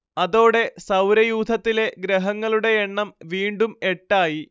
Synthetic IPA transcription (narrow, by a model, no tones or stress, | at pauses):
ɐðo̞ːɽe̞sɐwɾɐjuːd̪ʱɐt̪ːile̞ɡɾɐɦɐŋːɐɭuɽe̞eɳːɐmʋiːɳɖume̞ʈːaːji